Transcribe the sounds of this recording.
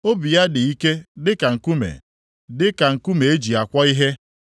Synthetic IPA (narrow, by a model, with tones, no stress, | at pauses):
o˦bi˨ja˦dɪ˨i˦ke˦dɪ˦ka˨ŋ̩˨ku˦mḛ˨ | dɪ˦ka˨ŋ̩˨ku˦me˨e˦d͡ʒi˨a˨kʷɔ˦i˦ɦe˦